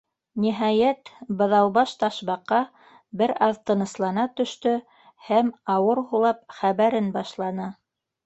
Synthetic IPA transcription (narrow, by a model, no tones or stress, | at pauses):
niɦɑjæt̪bɤ̆ðɑwβɑʃt̪ɑʃβɑqːɑ | bɘɾɑðt̪ɤ̆nɤ̆slˠɑnɑt̪ɵ̆ʃt̪ɵ | hæmɑwɤɾhulˠɑp̚χæβæɾɘnbɑʃlˠɑnɤ